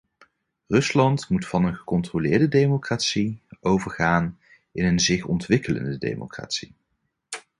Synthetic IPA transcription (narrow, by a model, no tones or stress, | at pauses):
rɵslɑntmutfɑnənχə̥kɔntrolɪːɹdədejmokraːtsiowvəɹχaːn | ʔɪnənzɪχɔntʋɪkələ̰ndədḛjmo̰kra̰ːtsi